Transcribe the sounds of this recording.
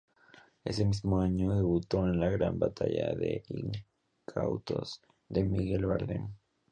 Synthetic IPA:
e̞se̞mizmo̞aɲo̞ðe̞βut̪o̞enlaɣɾambat̪aʝaðeiŋ | kʰawt̪o̞̰z̥ | ðe̞miɣe̞lβaɾlḛn

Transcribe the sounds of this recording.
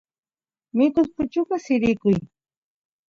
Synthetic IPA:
mɪkʊspʊt͡ʃʊɢɑsɪɾɪkʊj

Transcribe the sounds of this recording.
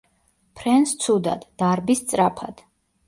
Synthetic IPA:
pʰɾɛnst̪sʰud̪a̰d̪̥ːaɾbist̪sʼɾapʰad̪̥

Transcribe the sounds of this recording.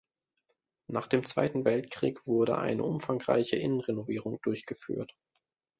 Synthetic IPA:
naːχd̥eːmt͡sv̥a̰ɪtn̩vɛltkʁ̥ḭːkv̥ʊɐdə̰ʔa̰ɪnə̰ʔʊmfaŋʁa̰ɪçəʔɪnənʁenoviːʁʊŋd̥ʊɐçɡ̥əfy̰ːɐt

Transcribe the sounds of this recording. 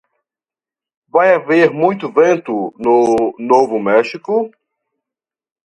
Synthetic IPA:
vajaveɾmũj̃t̪ʊvẽnt̪ʊnʊnovʊmɛʃikʊ

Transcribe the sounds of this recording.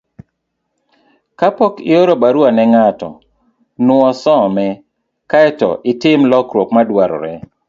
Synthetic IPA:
kapɔkɪ̰oɾobaɾuanɛŋatɔ̰ | nwɔsɔmɛ | kaɛtɔ̰ʔɪtɪmlɔkɾokmadwaɾɔ̰ɾɛ

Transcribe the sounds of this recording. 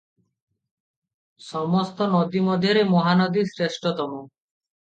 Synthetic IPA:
sɔmɔst̪ɔnɔd̪imɔd̪ʱjɔɾemɔɦanɔd̪isɾesʈɔt̪ɔmɔ

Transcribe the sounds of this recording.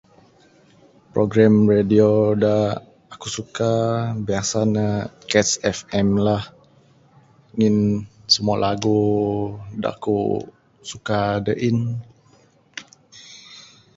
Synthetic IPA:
pɾoɡɾamrediodaː | akusukabiasanakɛsɛfɛmlah | ŋinsəmualʔaɡu | da̰kṵ | sukadəʔin

